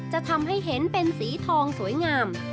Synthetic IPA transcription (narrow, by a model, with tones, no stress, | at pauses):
t͡ɕa˨˩ʔt̪ʰa˧mɦa˥˩jɦe˩˦npe˧nsiː˩˦t̪ʰɔː˧ŋsu˩˦əjŋaː˧m